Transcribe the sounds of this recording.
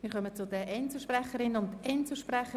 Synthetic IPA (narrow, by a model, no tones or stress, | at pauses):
miːɾχœmət͡sʊdəʔɛnt͡səʃpræχəɾɪnʊndɛnt͡səʃprɛχə